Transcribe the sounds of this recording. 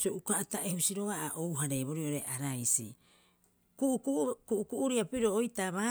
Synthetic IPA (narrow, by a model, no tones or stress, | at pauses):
sioʔukaʔataʔehusiɾo̞ɡaʔaʔowɦaɾeβoɾioɾe̞ʔaɾajsḭ | kuʔukkuʔukuʔuɾiapiɾo̞ːjtaβa